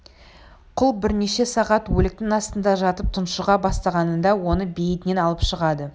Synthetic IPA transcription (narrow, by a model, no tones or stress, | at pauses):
qʰʊlˠbɪɾne̞ʃe̞sɑʁɑt̪wɵlɪk̚t̪ɪŋɑst̪ənd̪ɑʒɑt̪əp̚t̪ʰʊnʃəʁɑbɑst̪ɑʁɑnənd̪ɑwo̞nəbejɪt̪ɪne̞nɑlˠəpʃəʁɑd̪ə